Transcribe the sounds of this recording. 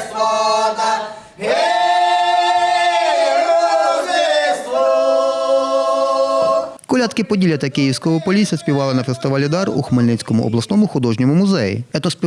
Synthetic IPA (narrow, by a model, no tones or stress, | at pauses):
kɔlʲɑt̪kɪpɔdʲilʲjɐt̪ɐkɪjiwsʲkɔɦɔpɔlʲisʲɐsʲpʲiʋɑlˠɪnɐfest̪ɪʋɑlʲɪd̪ɑrṵxmelʲnɪt͡sʲkɔmʊ̰ʔɔ̰blˠɐsnɔmʊxʊd̪ɔʒnʲɔmʊmʊzɛjḭɛt̪ɔsʲpʲ